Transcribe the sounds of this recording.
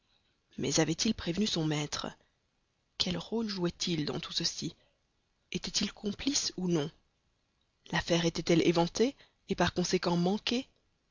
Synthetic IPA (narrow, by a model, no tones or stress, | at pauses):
mɛ̰zavɛt̪ilpχevnysɔ̃mɛt̪χə̰ | kʲʰɛlʁolʒuɛt̪ʰild̪ɑ̰̃t̪ʰu̥səsi | et̪ɛt̪ilkʰɔ̃plisunɔ̃ | lafɛʁet̪ɛt̪ɛlevɑ̃t̪eː | paʁkɔ̃sekɑ̃mɑ̃kʲe